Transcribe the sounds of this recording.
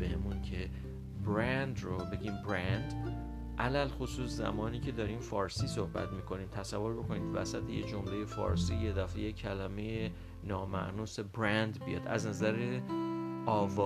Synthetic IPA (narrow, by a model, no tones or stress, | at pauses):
bemuncʰe̞ | bɾænd̪ɾobe̞ɟiːmbɾænd̪ | ʔælælxosuːszæ̰mɒːniːcʰe̞d̪ɒːɾiːmfɒːɾsiːso̞hbæ̰t̪miːkʰo̞niːmt̪ʰæsævːo̞ɾbo̞kʰo̞niːd̪væ̰sæt̪ʰejed͡ʒo̞mleje̞fɒ̰ːɾsiːje̞d̪æfejecʰælæme̞je | nɒːmæ̰ʔnuːse̞bɾænd̪bijɒ̰ːd̪æ̰znæzæɾe | ʔɒːvɒː